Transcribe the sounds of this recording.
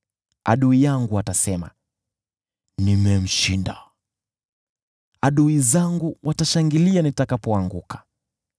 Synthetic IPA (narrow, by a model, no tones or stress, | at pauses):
a̰ɗuijaŋɡuatasɛma̰ | nimɛm̩ʃinda | aɗuizaŋɡuwʔataʃaŋɡilianitakapɔaŋɡukʰḁ